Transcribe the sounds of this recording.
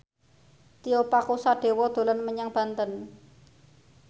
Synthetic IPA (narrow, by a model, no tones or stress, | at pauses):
t̪iopakusaɖ̥e̤wɔd̪̥o̤lanməɲaŋb̥a̤nt̪ən